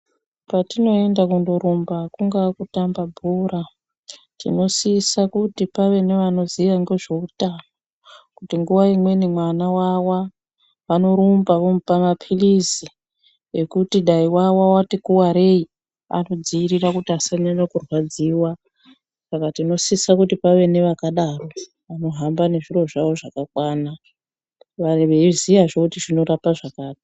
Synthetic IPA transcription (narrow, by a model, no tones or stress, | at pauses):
patino̞e̞ndakundo̞ɾumbakuŋɡakutambabʱuɾa | tḭno̞siːsakutipaʋe̞ne̞ʋano̞ziʋaŋɡe̞ʐe̞utano | kutiŋɡuʋaimwe̞nimwanawawa | ʋano̞ɾumbaʋomupamapʰilizi | ekutiɗaiwawawatikuwaɾei | a̰no̞d͡ziːrirakutiasaɲaɲakurwad͡ziwa | sakatino̞sisakutipaʋe̞ne̞ʋakaɗaro̞ | ano̞ɦambane̞ʐiro̞ʐaʋo̞ʐakakwaːna | ʋaʋeizijaʐokutiʐino̞ɾapaʐakaːti̥